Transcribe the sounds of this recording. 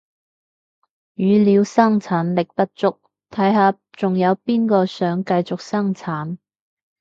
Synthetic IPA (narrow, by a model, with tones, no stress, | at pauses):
jyː˨˧liː˨˧wsɐ˥ŋt͡sʰaː˨˥nlɪ˨k̚t̪ɐ˥t̚t͡sʊ˥k̚ | t̪ʰɐ˨˥jɦaː˨˧ | t͡sʊ˨ŋjɐ˨˧wpiː˥nkɔː˧sœː˨˥ŋkɐ˧jt͡sʊ˨k̚sɐ˥ŋt͡sʰaː˨˥n